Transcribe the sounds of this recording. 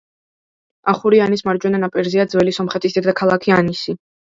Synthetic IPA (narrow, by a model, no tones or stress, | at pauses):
aχuɾianismaɾd͡ʒwɛnanapʼɛɾziad̪zvwɛlisɔmχɛt̪ʼisd̪ɛd̪akʰalˠakʰianisi